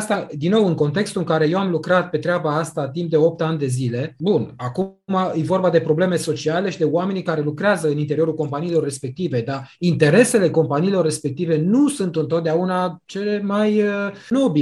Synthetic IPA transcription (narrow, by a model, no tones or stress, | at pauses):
st̪ad̪inːo̞wɨŋko̞nt̪e̞kst̪uɨŋkaɾe̞je̞wamlukɾat̪̚pe̞t̪ɾeabaast̪at̪imp̚d̪e̞o̞p̚t̪and̪e̞zile̞bunakumajevo̞rbad̪e̞pɾo̞ble̞me̞so̞t͡ʃiale̞ʃid̪e̞oame̞nikaɾe̞lukɾeazəɨnint̪eɾio̞ɾulko̞mpaniːlo̞rːe̞spe̞k̚t̪ive̞d̪aint̪e̞ɾe̞se̞le̞ko̞mpaniːlo̞rːe̞spe̞k̚t̪ive̞nusunt̪ɨnt̪ot̪̚d̪eaunat͡ʃe̞le̞majəno̞bi